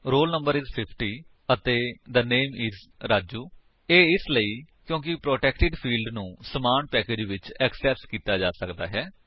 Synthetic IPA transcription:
ɾoːlnəmbəɾɪzpʰɪpʰʈiː | ət̪eːd̪əneːmɪːzɾaːd͡ʒuː | eːɪsləiːkjõːkɪpɾoːʈɛːkʈɪɖpʰiːlɖnũːsəmaːɳpɛːkeːd͡ʒʋɪt͡ʃɛksɛːskiːt̪aːd͡ʒaːsəkd̪a̰ːɦɛː

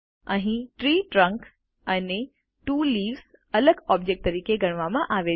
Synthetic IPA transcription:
ə̃ɦĩʈɾiːʈɾə̃ŋk | ane | ʈuːliːʋs | ɐləɡɔːb̚d͡ʒek̚ʈ̚t̪ɐɾiːkeɡɐɽ̃ʋamãʔaːʋe

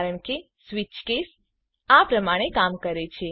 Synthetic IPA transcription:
ɾəɳke | sʋit͡ʃkes | apɾəmaɽ̃ekamkəɾet͡ʃʰe

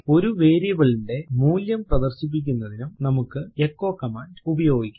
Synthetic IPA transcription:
o̞ɾuʋe̞ːɾijɐʋɐɭiɳɖe̞muːljɐmprɐd̪ɐrɕip̬ːik̬ʲːunːɐðinumnɐmukːɨekːo̞ːkːɐmaːnubɐjo̞ːɡikʲː

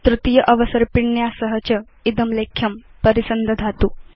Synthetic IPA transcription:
t̪ɾut̪ijəʔɐʋəsəɾpiɳjasəɦət͡ɕə | id̪əmlekʰjɐmpəɾisənd̪ʱəd̪ʱat̪uː

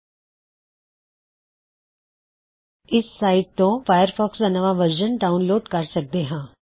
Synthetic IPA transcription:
ɪsːaːɪʈ̚t̪õfaːjəɾpʰɔːksd̪anɐʋaʋəɾʒənɖaːʊnloːʈkɐɾsɐk̚d̪eɦãː

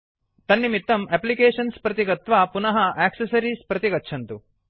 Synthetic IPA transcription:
t̪ɐnːimit̪ːɐmeplikeːʂɐnspɾɐt̪iɡɐt̪ʋaːpunɐɦɐʔeːksɐsɐɾispɾɐt̪iɡɐtːʃʰɐnt̪u

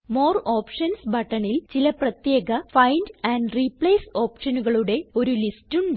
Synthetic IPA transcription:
moːro̞ːpʂɐnsbʱɐʈːɐɳilt͡ɕilɐprɐt̪je̞ːɣɐfɐjndɐːɳɖripɭeːso̞ːpʂɐnuɣɐɭuɽe̞o̞ɾulistuɳɖ

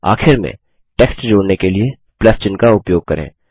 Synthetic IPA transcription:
a̰ːxʰɪɾmḛ̃ | ʈɛːksʈd͡ʒoːɽnekelie | plɛst͡ʃɪnkaʊpjoːɡ̚kɐɾḛ̃ː

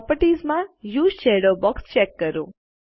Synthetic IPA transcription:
pəɾʈizmãjuːzʃeɽobɔkst͡ʃɛkːəɾṵ̃

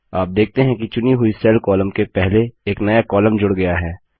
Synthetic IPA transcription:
aːp̚d̪eːk̚ʰt̪eɦɛ̃kit͡ʃʊniɦʊisɛːlkɔːləmkepɛɦleeːknɐjakɔːləmd͡ʒʊɽɡɐjaɦɛː

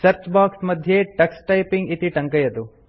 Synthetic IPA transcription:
sɐɾt͡ʃbaːksmɐd̪ʱjeʈɐksʈɐjpiŋɡit̪iʈɐŋkɐjɐd̪u

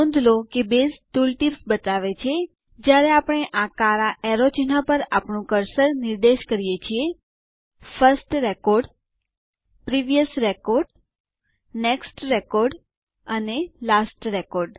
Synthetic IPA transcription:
õnd̪lokebest̪ulʈipsbət̪aʋet͡ʃʰe | d͡ʒjaɾeapəɽ̃eʔakaɾaʔɛɾot͡ʃinapəɾapɳũkəɾsəɾnɪɾd̪eʃkəɾijet͡ʃʰie | fəɾsʈɾekoɾɖ | pɾiʋijəsɾekoɾɖ | neksʈɾekoɾɖ | ənelasʈɾekoɾɖ

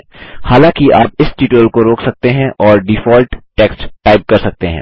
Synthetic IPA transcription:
haːlãkiʔaːp̚ɪsʈiːʈuəlkoɾoːksɐk̚t̪eɦɛ̃ʔɔːɾɖifɔːlʈʈɛːksʈʈaːɪp̚kɐɾsɐk̚t̪eɦɛ̃ː

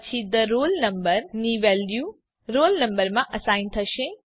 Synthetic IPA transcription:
t͡ɕʰid̪ɐɾoːlnɐmbəɾniʋɛːljuː | ɾoːlnɐ̃mbəɾmãʔɐsaːint̪ʰɐʃẽ

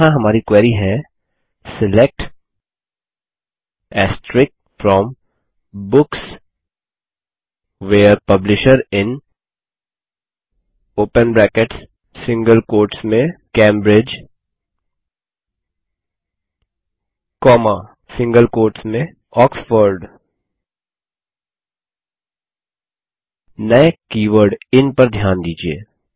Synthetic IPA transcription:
ãɦɐmaːɾikwɛːɾiɦɛ | sɪlek̚ʈ | ɛːsʈɾɪk̚fɾɔ̃ːm | bʊks | ʋeːəɾpɐblɪʃəɾɪ̃n | oːpənbɾɛːkeʈs | sɪ̃ŋɡəlkoːɾʈsmẽkẽːmbɾɪd͡ʒ | kɔːma | sɪ̃ŋɡəlkoːɾʈsmẽ | ɔːksfəɾɖ | əekiːʋəɾɖɪnpɐɾd̪ʱjaːnd̪iːd͡ʒiḛː

